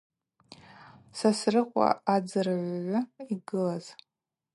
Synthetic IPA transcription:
sasrɨqʷʼa̰ad͡zɨraʕʷʕʷʊiɡɨlaz̥

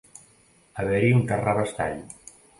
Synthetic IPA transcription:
aβeɾiuŋkaraβast̪a̰ʎ

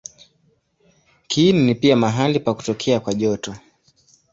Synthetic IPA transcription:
kʰininipiamaɦalipaku̥tɔkʰɛakwaʄɔtɔ

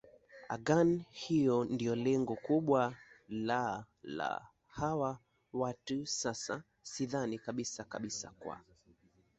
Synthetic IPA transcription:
a̰ɡanhijɔndiɔlɛŋɡɔkuɓwala | la̰ | hawa | watusasa̰ | siðanikaɓisaka̰ɓisa̰kwa̰

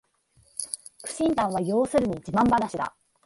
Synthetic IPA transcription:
kɯ̟̥ɕĩnt̪ãɰ̃β̞ajo̞ːsɨɾɯ̟ɲ̟iːt͡ɕibãmbanaɕid̪a̰

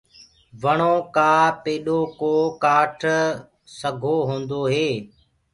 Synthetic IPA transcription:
ʋəɽ̃oːkaːpeːɗoːkoːkaːʈʰ | səɡʱoːɦõːnd̪oːɦeː

